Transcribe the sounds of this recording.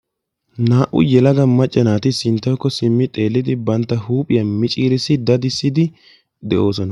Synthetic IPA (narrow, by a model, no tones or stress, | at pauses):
naːʔʊ̰jɛlɐɡɐmɐt͡ʃʼːɛnaːt̪ɪsɪnt̪ːɐjkːɔsɪmːɪt̪ʼe̞ːlːɪd̪ɪbɐnt̪ːɐhuːpʼɪjɐmɪt͡ʃʼiːɾɪsɪd̪ɐd̪ɪsːɪd̪ɪ | d̪ɛʔo̞ːsɔnɐ